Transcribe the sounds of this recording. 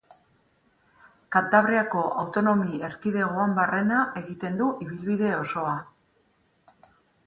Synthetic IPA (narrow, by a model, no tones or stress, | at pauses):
kant̪aβ̞ɾiako̞ʔawt̪o̞no̞mie̞ɾkiðe̞ɣoambeare̞naʔe̞ɣit̪e̞nd̪uʔiβilβiðe̞o̞so̞a